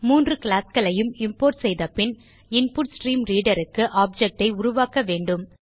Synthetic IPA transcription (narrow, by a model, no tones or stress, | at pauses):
muːndrɯkɪɭaːskɐɭɐjɯmɪmpoːɾʈsɛjðɐpːɪn | ɪnpuːʈsʈɾiːmɾiːɽɐɾɯkːɯʔaːb̚d͡ʒɛk̚ʈɐɪʊɾʊʋaːkɐʋeːɳɖɯm